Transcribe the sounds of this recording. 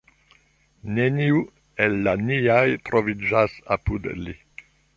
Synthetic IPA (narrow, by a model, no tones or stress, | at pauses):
neniu | elːaniajt̪ɾovid͡ʒasapud̪li